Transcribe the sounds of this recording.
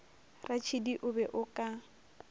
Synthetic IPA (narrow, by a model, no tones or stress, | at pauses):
rat͡ʃʰidiʔʊbɛʔʊkʼa